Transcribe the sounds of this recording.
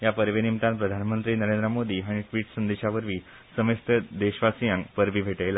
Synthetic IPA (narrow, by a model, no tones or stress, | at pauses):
japəɾʋenimt̪ãnpɾəd̪ʱanmənt̪ɾiːnəɾend̪ɾəmod̪iːɦaɽ̃iʈʋiːʈsənd̪eɕaʋəɾʋiː | səməst̪ʰəd̪eɕʋasijãŋkpəɾʋʱiːbʱeʈela